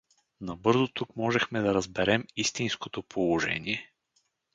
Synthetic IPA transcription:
nɐbɤɾzot̪ukmɔʒɛxmɛd̪ɐɾɐzbɛɾɛmist̪inskot̪opʰolˠoʒɛ̰nʲiɛ

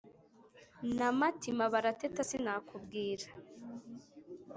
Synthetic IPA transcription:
namatimaβaɾatetasinaːkubɡiːɾḁ

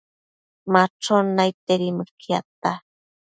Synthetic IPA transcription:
maʈ͡ʂonajt̪eɾiməkʰjat̪a

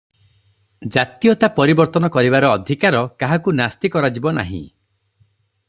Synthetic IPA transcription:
d͡ʒat̪ijɔt̪apɔɾibɔɾt̪ɔnɔkɔɾibaɾɔːd̪ʱikaɾɔkaɦakunast̪ikɔɾad͡ʒibɔna̰ɦḭ̃

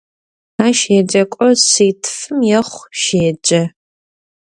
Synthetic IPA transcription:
aːʃɛd͡ʒɐkʷʼɔsiːtʰfɨmjɛχʷʃeːd͡ʒʼɐ

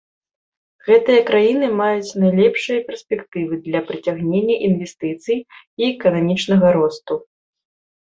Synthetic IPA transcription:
ɣɛt̪ɨjɐkɾajinɨmajut͡sʲnajlʲɛpʂɨjɐpʲɛrsʲpʲɛkt̪ɨvɨd̪lʲɐpɾɨt͡sʲaɣnʲenʲːɐʔinvʲɛst̪ɨt̪sɨj | iɛkɐnamʲit͡ʂnɐɣɐɾɔst̪u

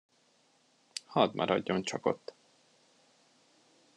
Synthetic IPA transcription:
hɒd̪mʔɒɾɒdɟːont͡ʃɒko̞t̪ː

